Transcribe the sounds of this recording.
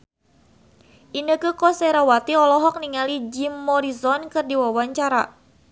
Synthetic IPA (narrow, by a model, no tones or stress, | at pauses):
ʔinəkəkɔsɛɾawat̪iɔlɔɦɔk̚niŋalid͡ʒimːɔɾisɔnkɨrdiwawaɲt͡ʃaɾa̰